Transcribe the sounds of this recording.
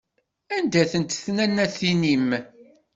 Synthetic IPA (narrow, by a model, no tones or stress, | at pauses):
ænd̪æθənt̪θnænːæθinim